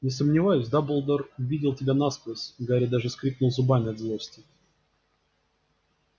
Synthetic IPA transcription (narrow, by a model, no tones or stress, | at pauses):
nʲɪsəmnʲɪvajʊsʲd̪abəlˠd̪ərʊvʲidʲɪlˠtʲɪbʲanaspəsɡəɐɾʲit̪̚d̪aʐɨskɾʲiknʊlˠzʊbamʲɪɐd̪zlˠosʲtʲɪ